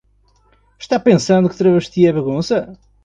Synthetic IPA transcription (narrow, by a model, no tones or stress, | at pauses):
ʃt̪apẽsɐ̃nd̪ukɨt̪ɾɐβɐʃt̪iɐβɐɣũsɐ